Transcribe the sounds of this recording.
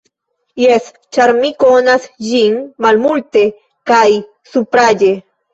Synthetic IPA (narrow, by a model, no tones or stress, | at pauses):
jes | t͡ʃaɾmikonasd͡ʒiŋmalmult̪e | kaj | supɾaʎe